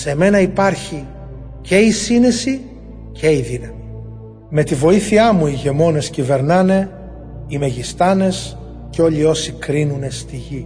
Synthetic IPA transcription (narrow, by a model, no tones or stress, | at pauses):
se̞me̞nɐipɐɾçi | ce̞isine̞si | ce̞iðinɐmi | me̞t̪ivo̞iθiɐmuiʝe̞mo̞ne̞scive̞ɾnɐne̞ | ime̞ʝist̪ɐne̞s | coʎio̞sikɾinune̞st̪iʝi